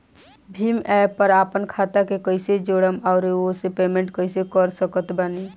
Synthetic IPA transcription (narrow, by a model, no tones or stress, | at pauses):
bʱimapəɾapənkʰat̪akekəɪsed͡ʒoɽəmaʊɾosepemẽɳʈkəɪsekəɾsəkət̪bani